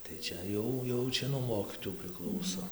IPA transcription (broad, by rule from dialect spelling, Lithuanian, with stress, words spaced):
tɐɪ ˈt͡ʃʲɛ jɛʊ jɛʊ ˈt͡ʃʲɛ nuɔ ˈmoːkʲiːtoːjuː pʲrʲɪˈklˠɐʊsoː